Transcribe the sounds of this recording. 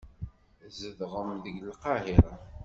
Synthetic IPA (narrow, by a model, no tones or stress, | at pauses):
zəðʁəmðəɡlqɑɦiɾˤ